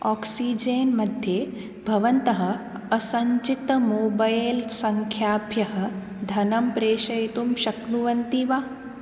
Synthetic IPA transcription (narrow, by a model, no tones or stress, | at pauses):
ɔːksiːd͡ʒeːnmɐd̪ʱje | bʱɐʋɐnt̪ɐɦɐ̆ | ɐsɐɲt͡ʃit̪moːbɐjlsɐŋkʰjaːpjɐɦɐ̆ | d̪ʱɐnɐmpɾeːʃɐjt̪umʃɐknuʋɐnt̪iːʋaː